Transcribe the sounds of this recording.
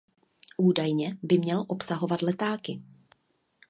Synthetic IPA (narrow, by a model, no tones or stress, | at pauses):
ʔuːdajɲɛbɪmɲɛlʔo̞psaɦo̞vat̪lɛt̪aːkɪ